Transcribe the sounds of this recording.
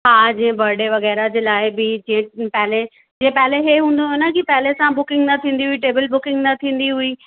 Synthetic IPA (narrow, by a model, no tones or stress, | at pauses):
ɦaːd͡ʑĩẽbʱɐɾɽeʋɐɣɛːɾad͡ʑeːlaːɪbɪd͡ʑĩːɪ̃pɛɦɪle | d͡ʑeːẽpɛɦleɦeɦũːn̆d̪oɦenɐkipɛɦɪlesãbʊkɪ̃ŋɡnɐt̪ʰĩːn̆d̪iɦuiʈeːbəlbʊkɪ̃ŋɡnɐt̪ʰĩːn̆d̪iɦui